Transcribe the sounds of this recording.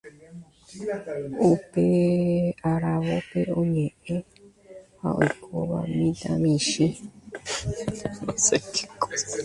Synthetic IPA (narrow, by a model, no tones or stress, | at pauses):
upeaɾaβopeoɲẽʔẽ | ha̰o̰kʰoβa̰mĩd̪amĩʃẽ | maseke̥kos